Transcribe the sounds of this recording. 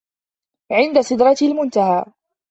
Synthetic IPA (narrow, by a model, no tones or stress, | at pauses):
ʕɪnd̪asˤɪd̪ɾˤɑt̪lmʊnt̪ahaː